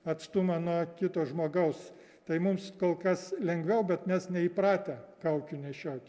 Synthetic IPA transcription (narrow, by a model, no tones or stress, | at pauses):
ɐt̪st̪ʊmɐnuɔkʲɪt̪oːʒmoːɡɐʊs | t̪ɐɪmʊmskoːlˠkɐslʲɛŋɡʋʲɛʊbʲɛt̪mʲɛsnʲɛiprɑːt̪ʲɛkɐʊkʲʊnʲɛʃʲoːkʲ